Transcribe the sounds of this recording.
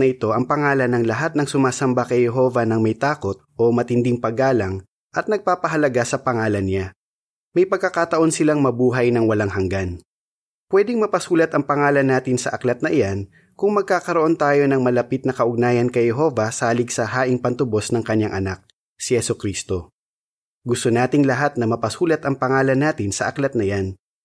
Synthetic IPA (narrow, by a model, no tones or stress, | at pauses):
ɐʔɪt̪o̞ʔɐŋpɐŋaːlɐnɐŋlɐɦat̪̚nɐŋsʊmaːsɐmbakɐjhɛɦo̞vɐnɐŋmɐjt̪aːko̞t̪̚ʔo̞mɐt̪ɪnd̪ɪŋpɐɡaːlɐŋ | ʔɐt̪̚nɐɡ̚paːpɐɦɐlɐɡasɐpɐŋaːlɐnɲa | mɐjpɐɡ̚kːɐkaːt̪ɐʔo̞nsɪlaŋmɐbuːɦɐjnɐŋwɐlaŋɦɐŋɡan | pwɛd̪ɪŋmɐpɐsuːlɐt̪ʔɐŋpɐŋaːlɐnːaːt̪ɪnsɐʔɐklɐt̪̚nɐʔɪjan | kʊŋmɐɡ̚kaːkɐɾoʔo̞nt̪aːjo̞nɐŋmɐlɐpit̪̚nɐkɐʔʊɡ̚naːjɐnkɐjhɛɦo̞vɐsaːlɪɡsɐhaːʔɪŋpɐnt̪ʊbo̞snɐŋkɐɲːaŋʔɐnak̚ | sɪhɛsʊkɾiːst̪o̞ | ɡʊst̪onaːt̪ɪŋlɐɦat̪̚nɐmɐpɐsuːlɐt̪ɐŋpɐŋaːlɐnːaːt̪ɪnsɐʔɐklɐt̪̚nɐjan